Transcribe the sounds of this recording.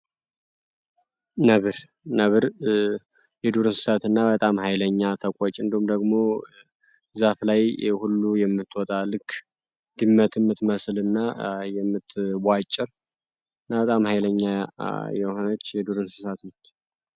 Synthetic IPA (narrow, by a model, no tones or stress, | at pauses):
nəβɨɾ | nəβɨɾ | jɛd̪uɾɨnsɨsat̪ɨnːabət̪ʼamhajləɲːat̪ʰəkʷʼɔt͡ʃʼːɨnd̪ihumd̪əɡmo̞ | zaflajhulːujɛmːɨt̪ːwɔt̪ʼalɨkʰː | d̪̥ɨmːət̪ʰmːɨt̪məslɨnːajɛmːɨt̪bʷat͡ʃʼːɪɾ | ɨnːabət̪ʼamhajləɲːajɛho̞nət͡ʃːjɛd̪uɾɨnsɨ̥sat̪nət͡ʃː